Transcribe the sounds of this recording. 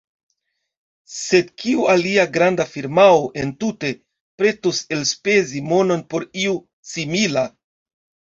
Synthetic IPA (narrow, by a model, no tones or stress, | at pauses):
se̞d̚kiualiaɡɾandafiɾmaoʔe̞ntute̞ | pɾe̞tuse̞lspe̞zimo̞no̞npo̞ɾiu | simila